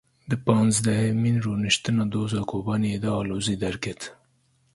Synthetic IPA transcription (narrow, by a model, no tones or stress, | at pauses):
d̪əpɑnzd̪aheminɾonɪʃt̪ɨnɑd̪oːzɑkʰoːbɑːnied̪ɑːloːzid̪aɾket̪